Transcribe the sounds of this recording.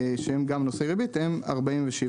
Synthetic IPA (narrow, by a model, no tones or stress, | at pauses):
ʃehemɡamnoseʁebit̪hema̰ʁbaimveʃil